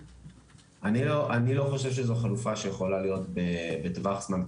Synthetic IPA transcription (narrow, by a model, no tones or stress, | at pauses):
ʔaniloʔanilo̞χo̞ʃe̞vʃ̬ezo̞χalufaʃejeχo̞lalijo̞tbebetvaχz̥man